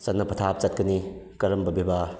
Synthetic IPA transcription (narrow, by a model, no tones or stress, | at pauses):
sɐtnːɐpʰɐtʰap̚t͡ʃɐt̚kɐni | kɐɾɐmbɐbebʱa